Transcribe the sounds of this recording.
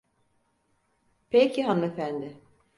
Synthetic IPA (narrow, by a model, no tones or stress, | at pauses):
pʰecʰiɦanɯefænd̪ɪ